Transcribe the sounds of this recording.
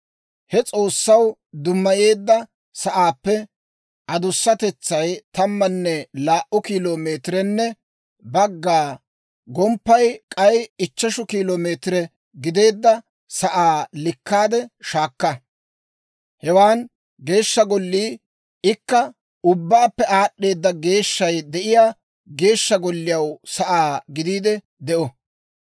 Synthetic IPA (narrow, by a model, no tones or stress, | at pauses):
hɛt͡sʼo̞ːsːɐwd̪ʊmːɐje̞ːd̪ːɐ | sɐʔaːpːɛ | ʔɐd̪ʊsːɐt̪ɛt͡sːɐjt̪ɐmːɐnːɛlaːʔʊkiːloːmeːt̪ɪɾɛnːɛ | bɐɡːaː | ɡɔmpːɐjkʼɐjɪt͡ʃːɐʃʊkiːloːmeːt̪ɪɾɛ | ɡɪd̪e̞ːd̪ːɐ | sɐʔaːlɪkːaːd̪ɛʃaːkːɐ | hɛwaːn | ɡe̞ːʃːɐɡɔlːiː | ɪkːɐ | ʊbːaːpːɛʔaːɗːe̞ːd̪ːɐɡe̞ːʃːɐjd̪ɛʔɪjaː | ɡe̞ːʃːɐɡɔlːɪjɐwsɐʔaːɡɪd̪iːd̪ɛ | d̪ɛʔɔ